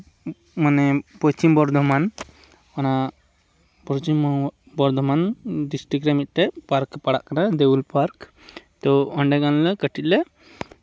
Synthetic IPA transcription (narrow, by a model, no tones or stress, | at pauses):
manɛpət͡ʃimbɔɾd̪ʱɔman | ana | pɔt͡ʃim | bɔɾd̪ʱɔmanɖisʈɾikɾɛmit̪̚ˀʈɛpaɾkpaɽa̰ʔkanad̪eulpaɾk | t̪ɔəɳɖɛɡanlɛkəʈit̪̚lɛ